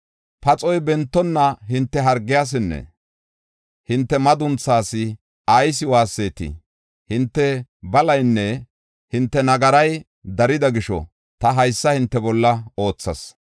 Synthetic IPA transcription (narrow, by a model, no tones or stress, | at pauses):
pɐt͡sʼɔjbɛnt̪ːɔnːɐɦɪnt̪ːɛɦɐɾɡːɪjaːs̬ɪnːɛ̰ | hɪnt̪ːɛmɐd̪ʊnt͡sːaːsɪ | ajs̬ɪwaːsːeːt̪ɪ̰ | hɪnt̪ːɛbɐlɐjnːɛ | hɪnt̪ːɛnɐɡɐɾɐj | d̪ɐɾɪd̪ɐɡɪʃɔ̰ | t̪ɐɦɐjsːɐhɪnt̪ːɛbɔlːɐo̞ːt͡sːɐs